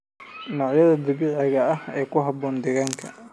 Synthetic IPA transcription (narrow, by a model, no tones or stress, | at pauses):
nɔːʕjɐðɐd̪ɪβɪʕɛɣɐɐhɛːjkʰʊɦɑbɔːnd̪ɛɣaːŋkʰɐ̰